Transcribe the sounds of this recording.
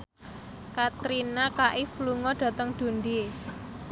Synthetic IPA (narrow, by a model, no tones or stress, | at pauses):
kat̪ɾinakaʔifluŋɔɖ̥a̤t̪əŋd̪̥o̤nd̪i